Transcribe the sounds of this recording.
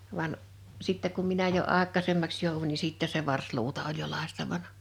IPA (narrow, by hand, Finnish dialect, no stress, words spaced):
ʋɑn sitːɛ kum minæ jo ɑˑekˑɑˑsemːɑks joˑuʋunʲ ni siˑtːɛse ʋɑrsluːtɑ olʲ jo lɑˑistɑʋɑnɑ